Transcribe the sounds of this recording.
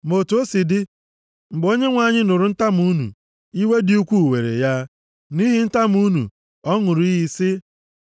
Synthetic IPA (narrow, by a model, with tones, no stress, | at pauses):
mo˨tu˨˦o˦si˨dɪ˦ | ŋ͡m̩˨ɡ͡bo˦ɲe˦ŋʷa˨ɲɪ˦nʊ˨ɾʊ˨n̩˦ta˦mu˦nṵ˨ | i˦we˦dɪ˦u˦kʷu˦˨we˨ɾḛ˨ja˦ | ni˦ɦi˨n̩˦ta˦m˦u˦nṵ˨ | ɔ˦ŋʊ˨ɾi˦ɦi˦sɪ˦